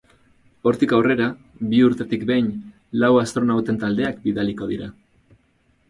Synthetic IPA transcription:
o̞ɾt̪ikawre̞ɾa | βiuɾt̪e̞t̪ikbejn | lawast̪ɾo̞nawt̪e̞nt̪ald̪e̞akbiðaliko̞ð̞iɾa

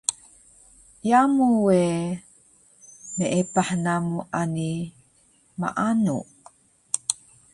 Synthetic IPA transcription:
jamuwe | meʔepaħnamuʔani | ma̰ʔanṵ

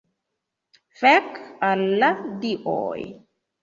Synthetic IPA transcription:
fɛkalːad̪iʔɔ̰ːj

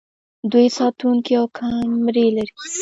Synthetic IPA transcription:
d̪ujsɑt̪uŋkiawkʰamɾelaɾi

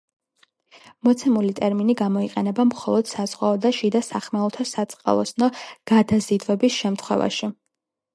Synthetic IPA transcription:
mɔt̪sʰɛmulit̪ʼɛɾminiɡamɔiqʼɛnɛbamχɔlˠɔd̪̥saz̥ʁwaɔd̪aʃid̪asaχmɛulˠt̪ʰasat̪sʼqʼa̰lˠɔ̰snɔɡ̥ad̪azid̪vɛbisʃɛmt̪ʰχwɛ̰va̰ʃi

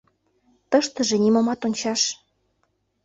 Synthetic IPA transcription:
t̪əʃt̪ə̆ʒĕnimomɑt̪onʲt͡ɕɑʃ

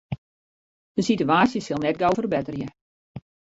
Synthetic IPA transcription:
d̥əsityaːsjəsɪlˠnɛt̚ɡowfərbɛtərjə

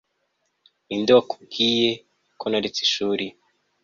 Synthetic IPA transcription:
indowaku̥b̚ɡiːje̞ | kʰonaɾet͡si̥ʃuːɾi

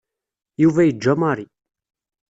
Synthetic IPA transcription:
juvæjəd͡ʒːæmɑɾˤi

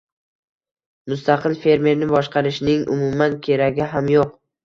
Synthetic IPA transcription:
mʊst̪ʰɑqʰɨlfe̞ɾme̞ɾnɪbɒʃqʰɑɾɪʃnɪŋʔʊ̰mʊmankʲʰe̞ɾaɡʲɪɦamjoq̚

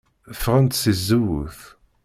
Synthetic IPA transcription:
fʁənt̪sizːuwṵθ

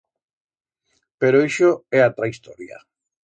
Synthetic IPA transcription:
peɾoeʃoɛat̪ɾaist̪ɔɾja̰

